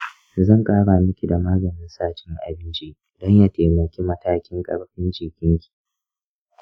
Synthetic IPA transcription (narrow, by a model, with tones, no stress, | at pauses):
zɐ˦˨ŋkʼaː˦ɽaː˨mɪ˦kʲi˨da˨maː˦ɡɐ˨nɪ˦nsaː˦t͡ʃɪ˦ŋʔa̰˨bɪ˦nt͡ʃi˦ | d̥ɔ˦ɲja˨teː˨mɐ˨kʲi˦mɐ˦taː˦kʲɪ˦ŋkʼɐ̰˦ɽɸɪ˦nd͡ʒiː˨kʲɪ˦ŋkʲi̥˨